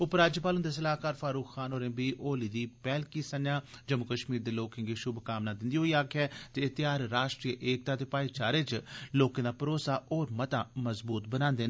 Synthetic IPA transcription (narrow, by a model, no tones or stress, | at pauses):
ʊpɾaːd͡ʒjəpaːlɦʊ̃nd̪eːs̬əlaːkaːɾfaːɾuːkxaːnoːɾẽːbiːʔoːliːd̪iːpɛːlkiːsənjaːd͡ʒəmʊkəʃmiːɾd̪eːloːkẽŋɡiːʃʊbkaːmnaːd̪ɪnd̪iːɦoːiːaːkʰjɛːt̪eɪt̪ɪjaːɾɾaːʃʈɾiːəʔeːk̚t̪aːt̪eːpaːit͡ʃaːɾeːt͡ʃloːkãːd̪aːpəɾoːsaːoːɾmət̪aːməzbuːt̪bənãːnd̪eː